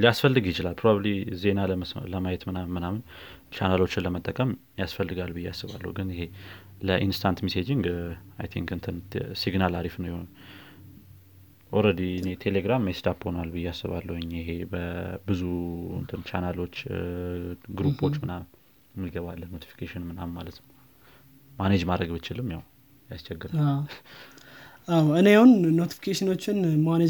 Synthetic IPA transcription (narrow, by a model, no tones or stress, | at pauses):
lijasfəlːɨɡjɪt͡ʃɪlalpʰɾoβablize̞naləmajɛt̪mɨamɨnamɨn | t͡ʃʰanalo̞t͡ʃːɪnləmət̪ʼːəkʼəm | jasfəlːɨɡalbɨjːɛasːɨβa̰lːə̰hwɡɨnɪɦe̞ | ləʔinst̪ʰant̪mised͡ʒiŋɡajt̪ʰĩŋkɨnt̪ʰɨnsiɡnalaɾifnəwjɪhon | ʔoɾəd̪iɨnet̪ʰeleɡɾamjest̪ʰapho̞nalbɨjːɛasːɨβa̰lːəwɔɲːjɪɦebəbɨzuɨ̰nt̪ʰɨnt͡ʃʰanalo̞t͡ʃː | ɡɾupʰo̞t͡ʃːmɨnam | mːɨɡəβalːəhnːo̞t̪ʰi̥fi̥kʰeʃɪnmɨnamːalət̪nə | maned͡ʒmad̪ɾəɡbɨt͡ʃːɪlːɨmjaw | jast͡ʃʰɛɡːɨɾa | awɨnejawunːot̪i̥fi̥kʰeʃɪno̞t͡ʃːɪnmane